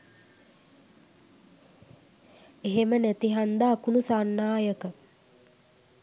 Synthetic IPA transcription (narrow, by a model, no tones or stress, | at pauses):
eɦemənæt̪iɦand̪aːkunusanːaːjəkə